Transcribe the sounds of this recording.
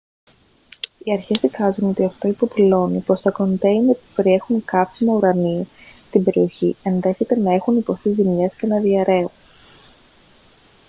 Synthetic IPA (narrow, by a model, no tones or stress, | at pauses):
iɐɾçe̞sikɐzuno̞t̪iɐft̪o̞ipo̞pilo̞nipo̞st̪ɐko̞nt̪einepupe̞ɾie̞xuŋkɐpsimɐuɾɐniesst̪imbe̞ɾio̞çie̞nðe̞çe̞t̪e̞nɐe̞xunipo̞θizimɲɐsce̞nɐðiɐɾe̞un